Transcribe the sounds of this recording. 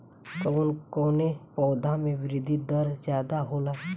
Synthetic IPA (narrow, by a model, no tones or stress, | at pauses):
koːnkoːnepɔːd̪ʱãmẽʋɪɾɪd̪ʱid̪əɾzjaːd̪aɦoːla